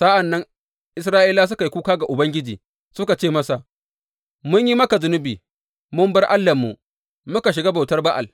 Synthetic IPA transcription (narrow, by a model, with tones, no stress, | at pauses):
sa˦ʔa˨nːɐ˦ŋ | ʔɪ˦sɾaː˦ʔi˦laː˦s̬ʊ˦ka˨ji˦kʷuː˦kaː˦ɡa˨ʔʊ˨bɐ˦ŋɡʲɪ˦d͡ʒiː˨ | sʊ˦ka˨t͡ʃeː˦˨mɐ˦sa˨ʔ | mʊ˦ɲji˦mɐ˦ka˨zʊ˦nʊ˦biː˨ | mʊ˦mbɐ˦rʔa˦lːɐ˨mːṵ˨ | mʊ˦ka˨ʃ̬ɪ˨ɡaː˦ba˨wtɐ˦rba˦ʔa˨l